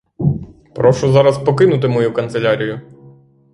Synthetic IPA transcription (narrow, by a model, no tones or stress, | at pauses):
pɾɔʃʊzɑɾɐspɔkɪnʊt̪̬ɪmɔjukɐnt̪selʲaɾʲijʊ